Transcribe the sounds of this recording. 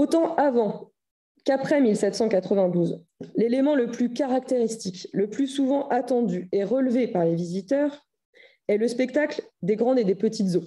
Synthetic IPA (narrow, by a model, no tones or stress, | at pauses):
ot̪ɑ̃ʔavɑ̃ | kapχɛmilsɛt̪sɑ̃kat̪χəvɛ̃d̪uz | lelemɑ̃ləplykaʁak̚t̪eʁist̪ikləplysuvɑ̃ʔat̪ɑ̃d̪yeʁəlvepaʁlevizit̪œːʁ | ɛləspɛkt̪akld̪eɡʁɑ̃d̪ed̪epət̪it̪zo